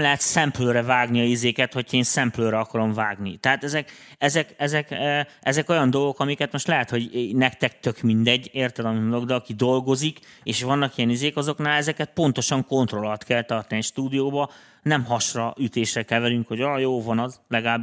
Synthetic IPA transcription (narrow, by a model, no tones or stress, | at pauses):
mlɛɦɛt̪sɛmpløːɾɛvaːɡniɒizeːkɛt̪ho̞cʰɒeːnsɛmpløːɾɛɒkɒɾo̞ɱvaːɡnit̪ɛaːt̪ɛzɛk | ɛzɛkɛzɛkʔɛzɛko̞jɒnd̪o̞lo̞kɒmikɛt̪mo̞ʃt̪lɛɦɛt̪ho̞ɟnɛkt̪ɛk̚t̪økmind̪ɛɟːeːrt̪ɛd̪ɒmiond̪loɡd̪ɛɒkid̪o̞lɡo̞zik | eːʃʋɒnːɒkijɛnizeːkɒzo̞knaːlɛzɛkɛt̪̚po̞n̪t̪o̞ʃɒŋko̞nt̪ro̞lɒt̪kɛlt̪ɒrt̪nʃt̪uːd̪ijoːbɒ | nɛmɦɒʃrɒʔyt̪eːʃrɛkɛvɛɾyŋkho̞ɟɒjoːvɒnɒzlɛɡaːb